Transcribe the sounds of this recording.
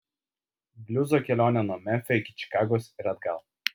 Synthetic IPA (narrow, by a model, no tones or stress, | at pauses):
bʲlʲʊzoːkʲɛlʲoːnʲɛnuɔmʲɛfʲɛɪkʲɪ̥t͡ʃʲɪ̥kɑːɡoːsɪɾɐd̪ɡɐlˠ